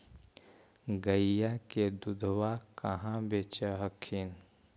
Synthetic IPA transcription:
ɡəjaked̪ʊd̪ʱwakəɦãbeːt͡ʃəɦəkʰːin

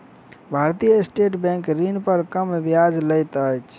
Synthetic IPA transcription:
bʱaɾt̪ijəesʈeʈbɛ̃ŋkɾinpəɾkəmbjad͡ʒləjt̪əjt͡ʃʰ

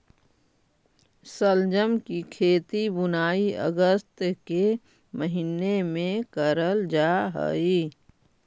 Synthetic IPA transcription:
səld͡ʒəmkikʰeːt̪ibʊnaːiə̰ɡəst̪ke | məɦinemẽkəɾəld͡ʒaːɦə̰iː

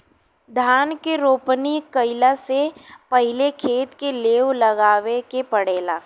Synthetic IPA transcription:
d̪ʱaːnkeɾoːpnikəɪlasepɐɦɪlekʰeːt̪keleːʋlɐɡaːʋekepəɽeːlaː

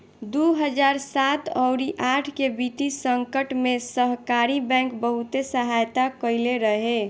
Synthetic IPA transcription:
d̪uɦəd͡ʒaːɾsat̪ɔʊɾiʔaʈʰkebiʈ̪isəŋkəʈmẽsəɦkaɾibɛ̃ŋkbəɦut̪esəɦajt̪akəɪleɾəɦe

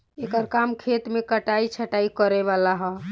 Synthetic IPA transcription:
ekəɾkamkʰet̪mekəʈait͡ʃʰəʈaikəɾɛʋalaɦɔ

